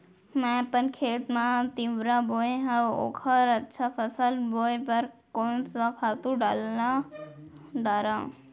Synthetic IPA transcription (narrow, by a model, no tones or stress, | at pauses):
mɛ̃pənkʰeːt̪mãt̪iʋɾãːboːeɦə̃o̰ːkʰəɾɐtːʃʰaːfəsəlboːjpɐɾkoːnsãkʰaːt̪ũɖala | ɖaːɾãː